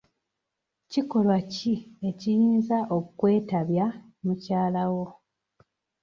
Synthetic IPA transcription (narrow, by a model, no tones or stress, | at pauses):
ciko̞lwacie̞cijiːnzaʔokwe̞ːtaβja | mucaːlawo̞